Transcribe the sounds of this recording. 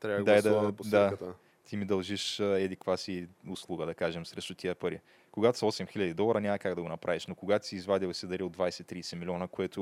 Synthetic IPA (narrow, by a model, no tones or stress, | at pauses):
t̪ɾavɐɡ̪ɛd̪ɐpd̪at̪ə | t̪ʰimid̪ɐlˠʒiʃɛd̪ikvasiʊslˠuɡəd̪ɐkaʒɛmsɾɛʃt̪ʊt̪ʰiəpɐɾḭ | koɡat̪ʊ̥sɐɔsɛmxilʲɐd̪id̪ɔlˠɐɾɐnʲamɐkaɡd̪ɐɡonɐpɾaviʃnokoɡat̪siːzvad̪ʲilˠsɛd̪ɐɾiod̪vajsɛt̪ːɾiːsɛmilʲiɔnəkoɛt̪ʊ